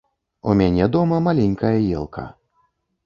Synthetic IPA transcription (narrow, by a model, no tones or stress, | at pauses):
ṵmʲanʲɛd̪ɔmɐmalʲɛnʲkɐjɐjɛ̰lˠkʰɐ̰